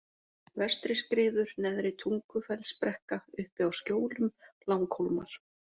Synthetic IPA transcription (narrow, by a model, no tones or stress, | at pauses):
vɛst̪ɾɪskɾɪːðʏɾnɛðɾɪt̪ʰuŋkʏfɛlspɾɛhkaʏhpɪawscjoːwlʏmlawŋkhowlma̰ɾ̥